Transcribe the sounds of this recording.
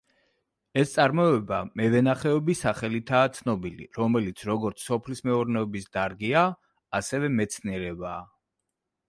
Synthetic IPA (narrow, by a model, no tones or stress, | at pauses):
ɛst̪sʼaɾmɔɛbamɛvɛnaχɛɔbisaχɛlit̪ʰaːt̪sʰnɔbilḭɾɔmɛlit̪sʰɾɔɡɔɾt̪sʰsɔpʰlismɛuɾnɛɔbisd̪aɾɡiaː | sɛvɛmɛt̪sʰniɛɾɛbaː